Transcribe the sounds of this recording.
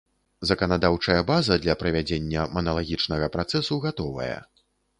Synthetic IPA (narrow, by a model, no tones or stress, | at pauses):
zɐkɐnad̪awt͡ʂɐjɐbazɐd̪lʲɐpɾɐvʲad͡zʲenʲːɐmɐnɐlˠaɣʲit͡ʂnɐɣɐpɾat̪sɛsuɣat̪ɔvɐ̰jɐ̰